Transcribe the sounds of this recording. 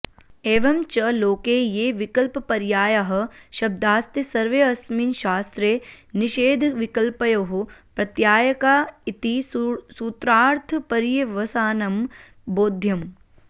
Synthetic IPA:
eːʋɐmt͡ʃɐloːkeːjeːʋikɐlpɐpɐɾjaːjɐɦɐ̆ʃɐb̚d̪aːst̪ɐsɐɾʋeːɐsmiːnʃaːst̪ɾeːniʃeːd̪ʱʋikɐlpɐjoːɦupɾɐt̪jaːjɐkaːit̪isuːt̪ɾaːɾt̪ʰpɐɾjeʋɐsaːnɐm | boːd̪ʱjɐm

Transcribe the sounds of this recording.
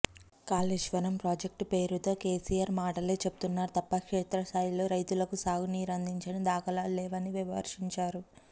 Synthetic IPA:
kaːliʃʋɐnɐmpɾoːd͡ʒek̚ʈpe̞ːɾut̪o̞ːkeːsijaːɾmaːʈɐle̞ːt͡ʃebu̥t̪unːaːɾut̪ɐpːɐkʂeːt̪ɾɐst̪aːjilo̞ːɾɐjt̪ulɐkusaːɡuniːɾɐnd̪ʱiɲt͡ʃɐnid̪aːkɐlaːlɛːʋɐniʋiʋɐɦɐ̰ɾʂiɲt͡ʃaːɾu

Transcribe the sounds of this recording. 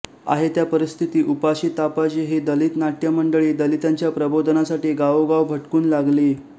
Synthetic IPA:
a̰ɦet̪japəɾist̪ʰit̪iːʔupaɕiːt̪apad͡ʑiɦed̪əlit̪naʈ̪jəməɳɖəɭiːd̪əlit̪aɲt͡ɕjapɾəbod̪ʱnasaʈiːɡaʋoɡaʋbʱəʈkuːnlaɡliː

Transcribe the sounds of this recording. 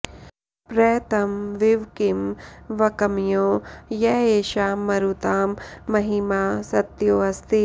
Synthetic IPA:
pɾɐjt̪ɐmʋiʋkimʋɐkɐmjoːjɛːeːʃaːmɐɾut̪aːmːɐɦimaːsɐt̪joːɐst̪i

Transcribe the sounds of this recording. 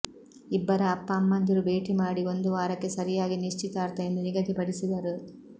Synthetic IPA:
ibːɐɾɐːpːɐːmːɐnd̪iɾube̞ːʈimaːɽio̞nd̪uʋaːɾɐkːe̞sɐɾijaːɡiniʂt͡ʃit̪aːɾt̪ɐjend̪uniɡɐt̪ipɐɽisid̪ɐɾu

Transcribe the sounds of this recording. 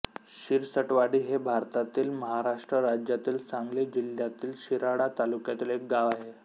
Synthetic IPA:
ɕiɾsəʈʋaɽiːɦebʱaɾt̪at̪iːlməɦaɾaʂʈɾəɾad͡ʑjat̪iːlt͡sãŋɡlid͡ʑiljat̪iːlɕiɾaɽat̪alukjat̪iːlek̚ɡaʋaɦe

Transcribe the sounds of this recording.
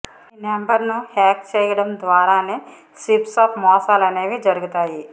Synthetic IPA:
inembɐɾnuhɛːk̚t͡ʃeːjɐɽɐmd̪ʋaːɾaːneː | sipsaːpʰmɔːsaːlɐneːʋid͡ʒɐɾuɡut̪aːji

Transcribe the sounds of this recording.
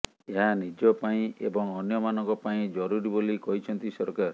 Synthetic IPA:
eɦanid͡ʒɔpaĩḛbɔŋɔnjɔmanɔŋkɔpaĩd͡ʒɔɾuɾibolikɔɦit͡ʃʰɔnt̪isɔɾkaɾ

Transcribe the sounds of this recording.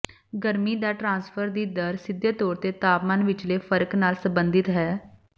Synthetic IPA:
ɡəɾmiːd̪aːʈɾãːnspʰəɾd̪iːd̪əɾsɪd̪jt̪ɔːɾt̪eːt̪aːpmanʋɪt͡ʃleːpʰəɾknaːlsəbənd̪ɪt̪ɦɛː

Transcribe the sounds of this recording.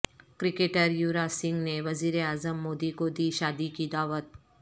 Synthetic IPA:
kɾɪkeːʈəɾjuːɾasɪ̃ŋɡneʋɐziːɾeaːzəmːoːd̪ikod̪iːʃaːd̪ikid̪aːʋət̪̚

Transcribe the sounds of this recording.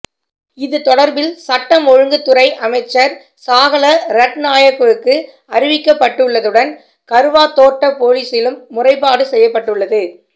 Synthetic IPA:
ɪðɯt̪ɔɽɐɾbɪlsɐʈːɐmɔɻɯŋɡɯt̪ːɯɾɐɪʔɐmɐɪt͡ʃːɐɾ | saːɣɐɭɐɾɐʈnaːjɐkːɐɯkːɯ | ɐɾɪʋɪkːɐpːɐʈːɯɭːɐðɯɽɐn | kɐɾɯʋaːt̪oːʈːɐpoːɻiːsɪlɯmːʊrɐɪp̬ːaːɽɯsɛjːɐpːɐʈːɯɭːɐðɯ

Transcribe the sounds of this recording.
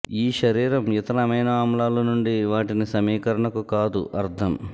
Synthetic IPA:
iːʃɐɾiːɾɐmit̪ɐnɐmɐjnɐaːmlaːlunuɳɖiʋaːʈinisɐmiːkɐɾɐɳɐkukaːd̪ṵʔɐɾt̪ʰɐm

